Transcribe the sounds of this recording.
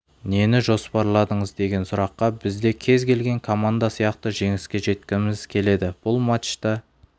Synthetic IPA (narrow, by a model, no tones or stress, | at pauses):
ne̞nɪʒo̞spɑɾlˠɑd̪əɴəzd̪e̞ɡʲe̞nsʊɾɑqːɑbɪzd̪e̞kʲʰe̞zkʲʰe̞lɡʲe̞ŋkʰo̞mand̪asijɑqt̪əʒe̞ŋɪskʲe̞ʒe̞t̪̚kʲɪnmɪz̥kʲʰe̞le̞d̪ɪb̥ʊlˠmat̪ʃt̪ɑ